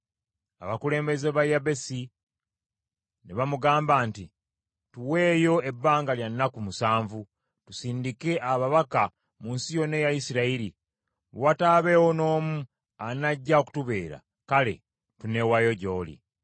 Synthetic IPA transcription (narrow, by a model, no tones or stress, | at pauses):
a̰βakule̞ːmbe̞zeβajabe̞si | neβamuɡaːmbaːnti | tuwe̞ːjo̞e̞bːaːŋɡaljanːakumusaːɱvu | tusiːndike̞ʔaβaβaka | muːnsijo̞ne̞jajisiɾaiɾi | wataβe̞wono̞ːmu | anaɟːao̞ku̥tuβe̞ːɾa̰ | kale̞̰ | tune̞wajo̞ɟo̞ːlḭ